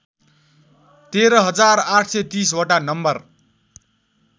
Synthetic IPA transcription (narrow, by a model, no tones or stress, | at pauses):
t̪eɾʌɦʌd͡zaraʈʰset̪iswoʈanʌmbʌr